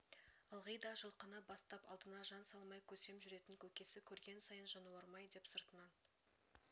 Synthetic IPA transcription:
əlˠʁəjd̪ɑʒəlˠqənɑbɑst̪ɑpɑ̰lˠd̪ənɑʒɑnsɑlˠmɑjkʲʰɵse̞mʒʏɾe̞t̪ɪŋkʲʰɵkʲe̞sɪkʲʰɵɾɡʲe̞nsɑjənʒɑnuwɑɾmɑjd̪e̞psəɾt̪ənɑn

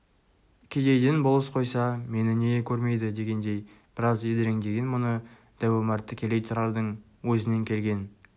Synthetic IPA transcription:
kʲʰe̞d̪e̞jd̪enbolˠəsqʰo̞jsɑme̞nɪneekʲʰɵɾme̞jd̪ɪd̪e̞ɡʲe̞nd̪e̞j | b̥ɪɾɑzed̪eɾeŋd̪e̞ɡʲe̞nmʊnə | d̪̥æwemɑɾt̪ːəkʲʰe̞le̞jt̪ʰʊɾɑɾd̪əɴ | wɵzɪne̞ŋkʲʰe̞lɡʲe̞n

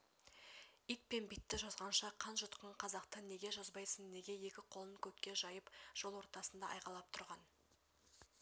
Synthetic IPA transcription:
ijt̪̚pe̞nbit̪ːɪʒɑzʁɑnʃɑqʰɑnʒʊt̪qəɴqʰɑzɑqt̪əne̞ɡʲe̞ʒozbɑjsənne̞ɡʲe̞je̞kʲɪqʰo̞lˠəŋkʲʰɵt̪kʲːe̞ʒɑjəpʒ̥o̞lˠwo̞ɾt̪ɑsənd̪ɑʔɑjqɑlˠɑp̚t̪ʰʊɾʁɑn

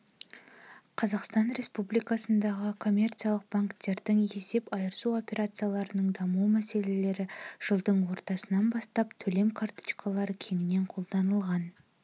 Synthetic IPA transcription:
qʰɑzɑqst̪ɑnɾe̞spublijkɑsənd̪ɑʁəkʰo̞mʲe̞rt̪sɨijalˠəq̚b̥aŋkt̪e̞ɾd̪ɪŋe̞se̞pɑjəɾəsuo̞pʲe̞ɾat̪sɨjalˠɑɾənəɴd̪ɑmuwmæse̞le̞le̞ɾɪʒ̥əlˠd̪əɴwo̞ɾt̪ɑsənɑnbɑst̪ɑpt̪ʰɵle̞mkʰart̪i̥t͡ʃkʰalˠɑɾəkʲʰe̞nɪne̞ɴqʰo̞lˠd̪ɑnəlˠʁɑn

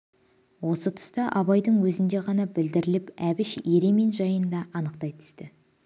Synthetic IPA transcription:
wo̞sət̪ʰə̥st̪ɑʔɑβɑjd̪əɴwɵzɪnd̪e̞ʁɑnɑbɪld̪ɪɾɪlɪpæβɪʃje̞ɾe̞me̞nʒɑjənd̪ɑʔɑnəqt̪ɑjt̪ʰʏ̥st̪ɪ

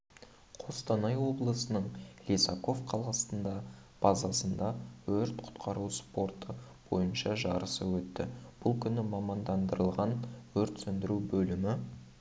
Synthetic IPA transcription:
qʰo̞st̪ɑnɑjwo̞blˠəsənəɴlʲesɑko̞vqʰɑlˠʁɑsənd̪ɑb̥ɑzɑsənd̪ɑwɵɾt̪qʰʊ̥t̪qʰɑɾuspo̞rt̪ə | b̥o̞̰jənʃɑʒɑɾəsəwɵt̪ːɪ̰b̥ʊlˠkʲʰʏnɪmɑmɑnd̪ɑnd̪əɾəlˠʁɑnwɵɾt̪sɵnd̪ɪɾubɵlɪmɪ

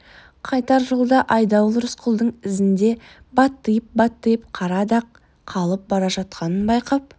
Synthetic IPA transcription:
qʰɑjt̪ɑɾʒolˠd̪ɑʔɑjd̪ɑwlˠəɾʊsqʰʊlˠd̪əɴɪzɪnd̪e̞ | bɑt̪ːəjəp̚bɑt̪ːəjp̚qʰɑɾɑd̪ɑqʰː | ɑlˠəp̚bɑɾɑʒɑt̪̚qɑnənbɑjqɑp̚

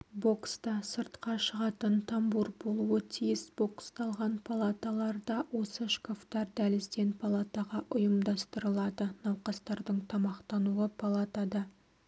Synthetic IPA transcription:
bo̞kst̪ɑsəɾt̪qɑʃəʁɑt̪ənt̪ʰɑmbuɾbo̞lˠuwət̪ʰijɪsb̥o̞kst̪ɑlˠʁɑnpʰalˠat̪alˠɑɾd̪ɑwo̞səʃkaft̪ɑɾd̪ælɪzd̪e̞npʰalˠat̪aʁɑʔʊjəmd̪ɑst̪əɾəlˠɑd̪ənɑwqɑst̪ɑɾd̪əɴt̪ʰɑmɑqt̪ɑnuəpʰalˠat̪ɑd̪ɑ

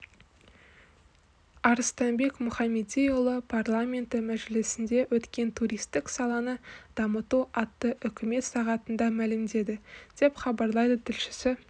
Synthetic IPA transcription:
ɑɾəst̪ɑnbe̞kmʊχɑmʲed̪ijʊlˠəpʰarlˠamʲe̞nt̪ɪmæʒɪlɪsɪnd̪e̞wɵt̪kʲe̞nt̪ʰuɾʲijst̪ɪksɑlˠɑnəd̪̥ɑmət̪uʔɑt̪ːəʔʏkʲʰɪme̞t̪sɑʁɑt̪ənd̪ɑmælɪmd̪e̞d̪ɪd̪̥e̞pχɑbɑɾlˠɑjd̪ət̪ʰɪlʃɪ̥sɪ

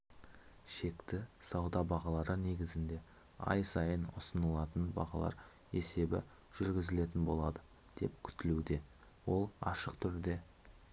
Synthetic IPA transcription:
ʃe̞kt̪ɪsɑwd̪ɑbɑʁɑlˠɑɾəne̞ɡʲɪzɪnd̪e̞ | ɑ̰jsɑjənʊ̰sənəlˠɑt̪ənbɑ̰ʁɑlˠɑ̰ɾ | e̞se̞bɪ̰ | ʒ̥ʏɾɡʲɪzɪle̞t̪ɪnbo̞lˠɑd̪ə | d̪̥e̞p̚kʲʰʏ̥t̪ɪlud̪e̞ | wo̞lˠɑ̰ʃəqt̪ʰʏɾd̪e̞

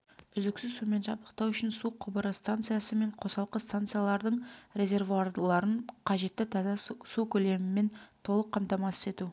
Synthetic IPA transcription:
ʏzɪksɪzsume̞nʒɑbt̪ˠə̥q̚t̪ɑwʏʃɪnsuqʰʊbəɾɑst̪ant̪sɨjasəme̞ɴqʰo̞sɑlˠqəst̪ant̪sɨjalˠɑɾd̪əɴɾe̞zʲe̞rvuaɾlˠɑɾəɴqʰɑʒe̞t̪ːɪt̪ʰɑzɑsukʲʰɵle̞mɪmːe̞nt̪ʰo̞lˠəqʰːɑmt̪ɑmɑse̥t̪e̞t̪u

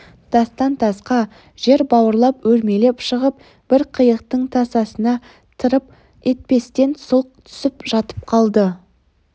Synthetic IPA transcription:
t̪ʰɑst̪ɑnt̪ʰɑsqɑ | ʒ̥e̞ɾbɑwəɾlˠɑpwɵɾme̞le̞pʃəʁəp̚ | b̥ɪɾqʰəjəqt̪əɴt̪ʰɑsɑsənɑ | t̪ʰəɾəp | e̞t̪̚pe̞st̪e̞nsʊlˠq̚t̪ʰʏ̥sɪpʒ̥ɑt̪ə̥p̚qʰɑlˠd̪ə

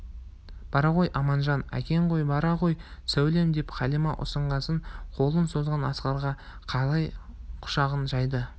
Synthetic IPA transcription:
b̥ɑɾɑʁo̞jʔɑmɑnʒɑnæ̰kʲe̞ɴqʰo̞jbɑɾɑʁo̞jsæwle̞md̪epχɑlimɑʔʊ̰səɴʁɑsəɴqʰo̞lˠənso̞zʁɑnɑsqɑɾʁɑ | qʰɑlˠɑjqʰʊ̥ʃɑʁənʒɑjd̪ə

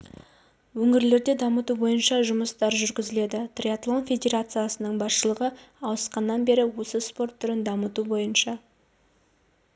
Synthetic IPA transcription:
wɵŋɪɾle̞ɾd̪e̞d̪ɑmət̪ubo̞jənʃɑʒʊməst̪ɑɾʒʏɾɡʲɪzɪle̞d̪ɪt̪rʲiat̪lˠo̞nfʲe̞d̪ʲe̞ɾat̪sɨjasənəɴbɑsʃəlˠəʁə | ɑlˠəsqɑnːɑnbe̞ɾɪwo̞səspo̞rt̪ʰːʏɾɪnd̪ɑmət̪ubo̞jənʃɑ

